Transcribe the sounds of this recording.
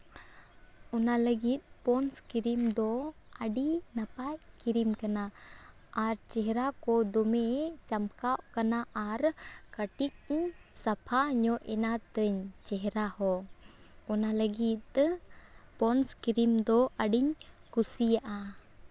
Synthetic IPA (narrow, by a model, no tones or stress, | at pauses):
ɔnaləɡit̪̚ˀpɔnskiɾimd̪ɔəɖinapajkiɾimkanaː | ɾt͡ʃɛɦɛɾakɔd̪ɔmɛt͡ʃamkaʔkanaʔaɾkəʈic̚ɲsapʰaɲɔʔɛnat̪əɲt͡ʃɛɦɛɾahɔ | ɔnaləɡit̪̚ˀ | pɔnskiɾimd̪ɔəɖiɲkusijaʔa